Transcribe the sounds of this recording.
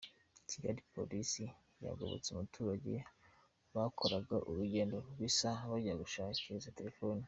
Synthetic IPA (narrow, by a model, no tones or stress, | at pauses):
cʰiɡa̰ɾipʰo̰lisi | ja̰ɡoβo̰t͡seumutʰuːɾaɟe̞̰ | βakʰo̞ɾaɡaʔuɾuɟe̞ːndo̞ɡwisaβaɟiɾaɡuʃaːciɾizate̞ɾefo̞ːnu